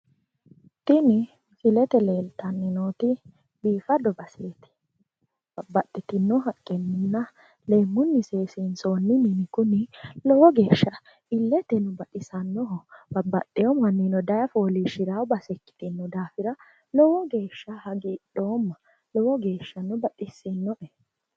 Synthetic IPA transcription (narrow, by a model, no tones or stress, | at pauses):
t̪ɪnɪ | sɪlɛt̪ɛleːlt̪ɐnːɪnoːt̪ɪ | biːfɐd̪ɔbɐseːt̪ɪ̥ | bɐbɐt̪ʼːɪt̪ɪnːɔɦɐkʼːɛnːɪnːɐ | le̞ːmːʊnːɪse̞ːsiːnsoːnːɪnɪnɪkʊnɪlɔwɔɡe̞ːʃːɐ | ɪlːɛt̪ɛnʊbɐᶑɪsɐnːɔɦɔbɐbːɐtːɛjɔmɐnːinɔd̪ɐjɐfoːliːʃɪɾawbɐsɛkːɪ̥t̪ɪnːɔd̪aːfɪɾɐ | lɔwɔɡe̞ːʃːɐhɐɡɪɗoːmːɐ | lɔwɔɡe̞ːʃːɐnːʊbɐtːɪsːɪnːɔʔɛ